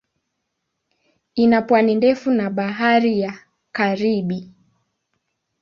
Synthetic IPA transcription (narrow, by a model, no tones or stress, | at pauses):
inapwanindɛfunaɓaɦaɾija | kaɾiɓi